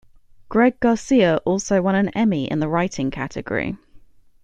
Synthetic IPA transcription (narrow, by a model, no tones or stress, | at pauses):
ɡ̥ɹɛɡɑːˑsiəʔɔˑlˠsəʊwʌ̃ñə̃nɛmiɪ̰̃nðəɹaɪtʰɪ̃ŋkʰa̰tʰɪ̰ɡə̰ɹḭ